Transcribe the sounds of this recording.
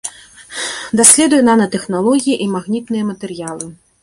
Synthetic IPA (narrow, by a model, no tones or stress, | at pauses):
d̪asʲlʲɛd̪ujɛnanɐt̪ɛxnalˠɔɣʲijiʔimaɣnʲit̪nɨjɐmɐt̪ɛrjalˠɨ